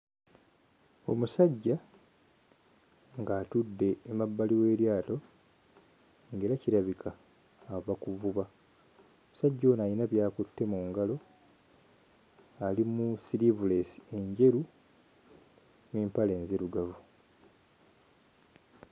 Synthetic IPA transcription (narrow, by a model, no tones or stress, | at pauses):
o̞̰musaɟːa | ŋɡaːtudːe̞ːmabːaliwe̞ːɾjaːto̞ | ŋɡe̞ːɾaciɾaβikʰaː | vakuvuβa | omusaɟːo̞najinaβjaːkutːe̞muːŋɡalo̞ | alimusilivule̞sie̞ɲɟe̞ɾu | niːmpale̞ːnzeɾuɡavu